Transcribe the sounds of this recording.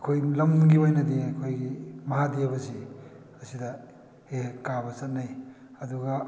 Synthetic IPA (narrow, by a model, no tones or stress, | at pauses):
ɐkʰojlɐmɡibajnɐdiɐkʰojɡimɐɦadijabɐzi | ɐsidɐ | hekabɐsɐt̚naj | ɐduɡɐ